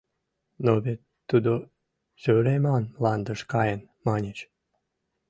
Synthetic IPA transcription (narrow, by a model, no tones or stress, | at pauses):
noβet̪ːud̪o | søɾemɑnlɑnd̪əʃkɑjən | mɑnʲet͡ɕ